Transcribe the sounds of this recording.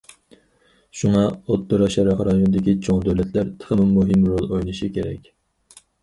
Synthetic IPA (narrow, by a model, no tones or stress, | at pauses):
ʃuŋɑot̪ːoɾɑʃɑɾɑχɾɑjonɨd̪ɪkʲit͡ʃʰoŋd̪øwlɛt̪ʰlæɾt̪ʰə̥χəmɨmːuɦɨmɾolˠojnɨʃikʲʰeɾɛ̰kʲ